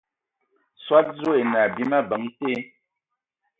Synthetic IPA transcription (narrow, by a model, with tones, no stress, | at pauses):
swa˦t̚zo˦e˨na˨bi˦ma˦bə˨˦ŋte˦